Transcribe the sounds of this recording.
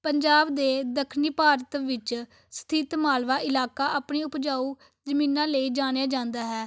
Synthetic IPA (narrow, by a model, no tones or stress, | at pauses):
pəɲd͡ʒaːbd̪eːd̪əkʰniːpaːɾət̪ʋɪt͡ʃ | st̪ʰɪt̪maːlʋaːʔɪlaːkaːʔaːpɳiːʊpd͡ʒaːuː | d͡ʒəmĩːnãːləiːd͡ʒaːñjaːd͡ʒãːnd̪aːɦɛː